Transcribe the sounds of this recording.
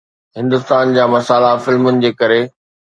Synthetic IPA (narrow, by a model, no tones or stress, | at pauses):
ɦɪ̃nd̪ʊst̪aːnd͡ʑaːmɐsaːlafɪlmʊnɪ̆d͡ʑeːkɐɾe